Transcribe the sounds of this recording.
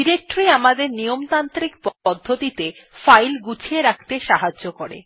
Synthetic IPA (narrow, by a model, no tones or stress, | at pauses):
iɾek̚ʈɾiamad̪eɾnijomt̪ant̪ɾikpɔd̪ʱːot̪it̪e | fajlɡut͡ɕʰieɾakʰt̪eʃaɦaʑokoɾḛ